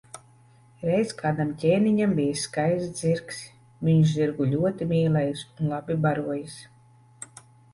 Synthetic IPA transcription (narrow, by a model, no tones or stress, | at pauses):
ɾɛjzkaːd̪amcʲɛːniɲambʲijasːkajzd̪ziɾks | viɲuʃziɾɡuʎʲuɔt̪imʲiːlˠɛjisunlˠabʲibaɾuɔjis